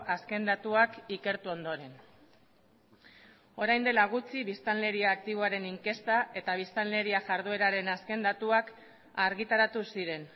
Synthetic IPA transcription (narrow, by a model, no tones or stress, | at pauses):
ʔaske̞nd̪at̪uakike̞ɾt̪uo̞nd̪o̞ɾe̞n | o̞ɾajnd̪e̞laɣ̞ut͡siβist̪anle̞ɾiaːk̚t̪iβ̞oaɾe̞niŋke̞st̪aʔe̞t̪aβ̞ist̪anle̞ɾiaʝaɾðue̞ɾaɾe̞naske̞nd̪at̪uak | aɾɣit̪aɾat̪usiɾe̞n